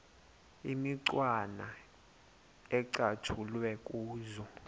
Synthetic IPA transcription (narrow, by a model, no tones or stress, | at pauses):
imiǀwana | ɛǀatʰulwɛkʼuːzɔ